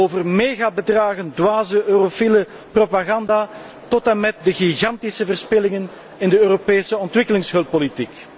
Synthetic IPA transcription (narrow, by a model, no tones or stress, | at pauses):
oːvərmeːɣaːbədraːɣəndwaːzəʔøːrofilə | propaɣɑndaː | tɔtamɛt̚dəɣiɣɑntisəvərspɪlɪŋən | ɪndəøːropeːsəɔntʋɪkəlɪŋsɦɵlˠpːolitik